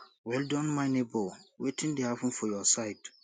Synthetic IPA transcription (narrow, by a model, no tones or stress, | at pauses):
wɛldɔ̃nmãɪ̃nebowetʰĩndehapɔ̃nfɔjɔsaɪt